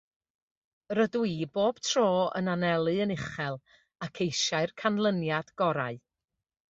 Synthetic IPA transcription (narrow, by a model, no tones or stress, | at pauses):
rədwiːboːb̥tʰroːə̰nanɛlˠɨənɪχɛlˠ | akʰejʃaɨrkʰanlˠənjad̥ɡ̥ɔɾaɨ